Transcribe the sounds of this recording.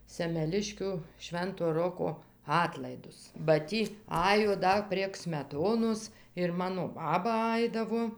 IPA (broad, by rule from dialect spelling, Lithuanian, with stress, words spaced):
sʲɛmʲɛˈlʲɪʃʲkʲʊ ˈʃʲʋʲɛntoː ˈroːkoː ˈɑːtlˠɐɪdʊs bɐ ˈtʲiː ˈɑːjoː ˈdɐ pʲrʲiɛk sʲmʲɛˈtoːnoːs ɪr ˈmɑːnoː ˈbɑːbɐ ˈɐɪdɐʋoː